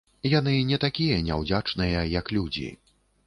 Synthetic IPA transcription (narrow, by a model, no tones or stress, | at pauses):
jan̪ɨnʲɛt̪akʲijɐnʲa̰wd͡zʲat͡ʂnɨjɐjɐklʲud͡zʲḭ